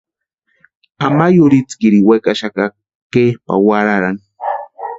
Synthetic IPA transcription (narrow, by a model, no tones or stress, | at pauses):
amajʊɾit͡skiɾiwekaʃaka | kepa̰waɾaɾaŋ